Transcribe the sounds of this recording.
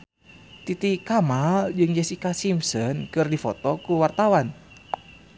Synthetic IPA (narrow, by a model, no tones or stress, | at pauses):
t̪it̪ikamald͡ʒɨŋd͡ʒɛsikasimsənkɨrdifɔt̪ɔkuwart̪awan